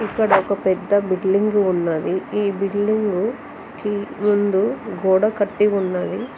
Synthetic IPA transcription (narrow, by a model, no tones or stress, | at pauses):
ikːɐɽɐɔkɐpɛd̪ːɐbiɖliŋɡuunːaːd̪iiːbiɖliŋɡu | kimund̪uɡoːɽɐkɐʈːiunːaːd̪i